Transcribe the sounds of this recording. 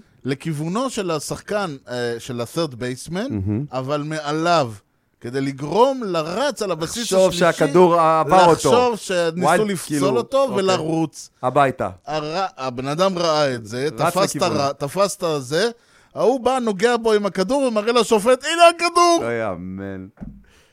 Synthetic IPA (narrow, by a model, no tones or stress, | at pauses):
le̞kivuno̞ʃe̞lasaχkanʃe̞laθeʁt̪bejsmenavalmealav | ke̞d̪e̞jliɡʁo̞mlaʁat͡salabasisoʃakad̪uʁaavaʁaotʃoo̞vʃeniulift͡so̞lot̪o̞velaʁut͡sabajt̪a̰aʁaabe̞nad̪amʁaaetze̞t̪afastaʁat̪afast̪aze̞ | aubano̞ɡe̞abo̞imakad̪uʁvemaʁelaʃo̞fe̞t̪ileakad̪uʁja̰men